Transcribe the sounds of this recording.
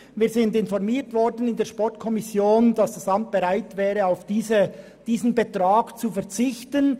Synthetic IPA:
viːɐzɪndɪnfɔʁmiːtvɔɾdən̩ɪndeːɐʃpɔʁtkʰɔmɪsjoːnd̥ɑsd̥ɑsɑmt̚b̥eʁaɪtvɛːʁəaʊfd̥iːzə | d̥iːzn̩betʁaːɡt͡sufɛɐt͡sɪçtən

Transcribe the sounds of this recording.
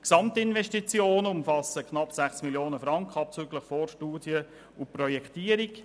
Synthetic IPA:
ksɑmtɪnvɛʃtit͡sjoːnəʊmfɑsəkχnɑpsæχsmiljoːnəfɾɑŋkχɑp̚t͡syɡləχfɔːrʃtuːdjə | ʊprɔjɛktiːəɾik

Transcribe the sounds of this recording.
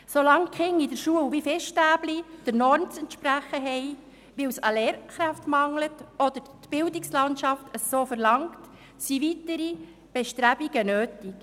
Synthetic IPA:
solɑŋkχɪŋːidəɾʃuəwʋifɛsʃtæːblid̥əɾnɔɾnt͡sɛntʃpɾæχəɦɛɪ | ʋɪwsəlɛːɾχɾæftmɑŋlətɔd̪̥əɾtb̥ɪldikslɑntʃɑftʰəoːfəɾlɑŋt | siʋitəɾi | b̥eʃtɾæb̥iɡ̥ənøːtik

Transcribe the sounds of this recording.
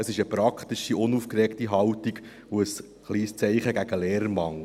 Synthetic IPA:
əsɪʃəpɾɑkχt̪ɪʃiʔʊnufkɾɛktiɦɑwtiɡ | oəs | χliːst͡sɛɪχəɡæɡəleːɾəɾmɑŋ

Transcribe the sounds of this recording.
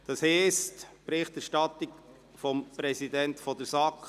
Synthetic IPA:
d̥ɑshɛstpɾɪχtæɾʃtɑt̪ik | fɔmpɾɛsidɛntfɔd̪əɾsɑk

